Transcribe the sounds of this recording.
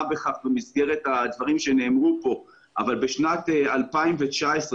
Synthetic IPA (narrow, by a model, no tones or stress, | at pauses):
beχaχbemizɡeʁet̪had̪vaʁimʃe̞ne̞ːmʁupo̞ | ʔavalbeʃnat̪alpaimvet͡ʃaesʁ